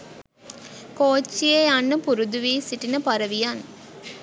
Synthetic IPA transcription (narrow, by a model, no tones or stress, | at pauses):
koːt͡ʃːijeanːəpuɾud̪uʋiːsiʈinəpaɾəʋijan